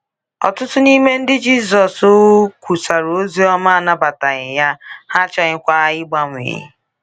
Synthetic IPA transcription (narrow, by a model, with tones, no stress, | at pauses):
ɔ̰˨tʊ˦tʊ˦ni˦me˦n̩˦dɪ˦d͡ʒi˦s̬ɔ˨so˦kʷu˨sa˨ɾo˦zi˦ɔ˦ma˦a˦˨na˦ba˨ta˨ɣɪ˨ja˦ha˦t͡ʃa˨ɣɪ˦kʷa˦ɪ˦ɡ͡ba˦ŋʷ˨ḛ˨ɪ̰˦